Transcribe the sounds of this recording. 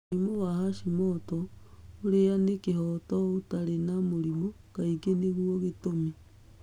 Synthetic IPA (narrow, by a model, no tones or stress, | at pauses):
imowahaʃimɔtɔoɾeanekeɦɔtɔotaɾenamoɾimo | kaikeneɣuɔɣetome